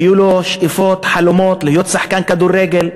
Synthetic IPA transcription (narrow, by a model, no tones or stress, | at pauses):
juːloʃʔɪfoːt̪ħalʊmoːt̪lɪhjoːt̪saħkaːnkad̪uːrːeːɡɪl